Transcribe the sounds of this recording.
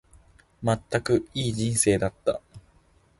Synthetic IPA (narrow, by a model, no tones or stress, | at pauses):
mat̪ːakɯ̟iːd͡ʑĩɰ̃se̞ːd̪at̪ːa̰